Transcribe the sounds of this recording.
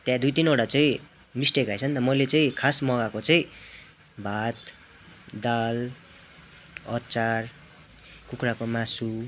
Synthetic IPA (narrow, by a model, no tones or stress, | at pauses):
t̪jãd̪ujt̪inoʈat͡saĩ | misʈekajt͡sʰʌnt̪ʌmʌjlet͡saĩkʰasmʌɡakot͡saĩ | bʱat̪ | d̪al | ʌt͡sar | kukrakomasu